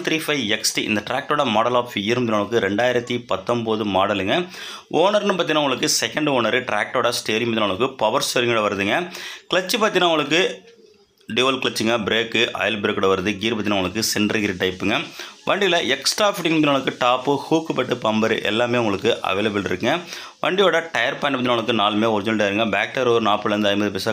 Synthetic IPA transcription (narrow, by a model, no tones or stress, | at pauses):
t̪ɾiːfɐɪɛksʈiʔɪ̰nd̪ɐʈɾaːk̚ʈoːɽɐmaːɽɐlaːfɪjɐɾmːd̪ɪnːɭɐk̬ːɯɾɛɳɖaːjɪɾɐt̪ːipɐt̪ːɐmboːðɯmaːɽɐlɯŋɡɐ | ʔoːnɐɾnɯpaːt̪inaːʊŋɡɐɭɯkːɯsɛkɐɳɖoːnɐɾɯʈɾaːk̚ʈoːɽɐsʈeːɾɪmnɪnaːɐɭɐkːɯpɐʋɐɾsoːɾɪŋɡɯɽɐʋɐɾɐðɯŋɡɐkɪɭɐt͡ʃːɯpaːt̪inaːʊŋɡɐɭɯkːɯ | ɖiʋɐlkɪɭɐt͡ʃːɯŋɡɐbɾeːkːɯʔɐ̰ːjɐlbɾeːkːɯːɽɐʋɐɾɐðɯɡiːɾp̬aːt̪inaːʊŋɡɐɭɯkːɯsɛɳɖɾɐɡɪɾiʈɐɪpːɯŋɡɐʋɐɳɖɪlɐʔɛksʈɾaːfɪʈɪŋmt̪naɭɐkːɯʈaːpːɯhuːkːɯpɐʈːɯpɐmbɐɾɯ̰ʔɛ̰lːaːmeːʊŋɡɐɭɯkːɯʔɐ̰ʋeːlɐbɪlɪɾɯkːɯŋɡɐ | ʋɐ̰ɳɖɪjoːɽɐʈɐjɐɾpaːnɖpːat̪inaːʊɭɯkːɯnaːlmeːɔɾɪd͡ʒɪnʈjaːɾɯŋɡɐbaːk̚ʈɐɾoːɾɯnaːpːɯlɐɾɯnd̪ɯɐɪmbɐðɯpeːsa